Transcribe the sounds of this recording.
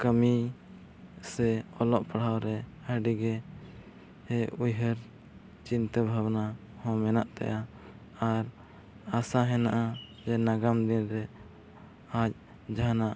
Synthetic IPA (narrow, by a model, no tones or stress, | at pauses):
kəmi | sɛɔlɔʔpaɽ̤awɾɛhəɖiɡɛ | hɛujɦəɾ | t͡ʃint̪əbʱawna | hɔ̃mɛnaʔt̪ɛ̰jʔa | aɾ | asaɦɛnaʔa | d͡ʒɛnaɡamd̪inɾɛ | at͡ʃ̚ | d͡ʒaɦnaʔ